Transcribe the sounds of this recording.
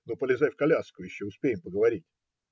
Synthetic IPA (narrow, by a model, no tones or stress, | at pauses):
nopəlʲɪzajfkɐlʲaskʊjɪɕːoʊspʲejɪmpəɡəvɐɾʲitʲ